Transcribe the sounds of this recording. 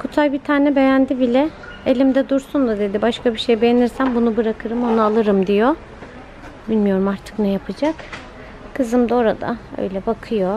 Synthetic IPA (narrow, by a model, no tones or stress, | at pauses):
kʰut̪ʰajbit̪ʰaːnɛbe̞jænd̪ibilʲɛ | elʲimd̪ɛd̪uɾsund̪ad̪e̞d̪ibaʃkabiʃe̞jbe̞jeniɾsænbunubɯɾakʰɯɾɯmo̞nualˠɯɾɯmd̪ijo | bilʲmijo̞ɾumaɾt̪ʰɯ̥knɛjapʰad͡ʒak | kʰɯzɯmd̪o̞ɾad̪a̰ø̰jlʲɛbakʰɯjo